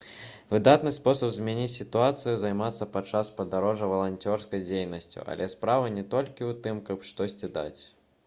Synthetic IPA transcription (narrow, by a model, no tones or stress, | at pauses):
vɨd̪at̪nɨspɔsɐpzmʲanʲit͡sʲsʲit̪uat̪sɨjuzajmat̪sːɐpat͡ʂaspɐd̪aɾɔʐɐvɐlˠanʲt͡sʲɔrskɐjd͡zʲejnɐsʲt͡sʲṵʔɐ̰lʲʔɛspɾavɐnʲɛt̪ɔlʲkʲiwt̪ɨmkɐpʂt̪ɔsʲt͡sʲid̪a̰t͡sʲ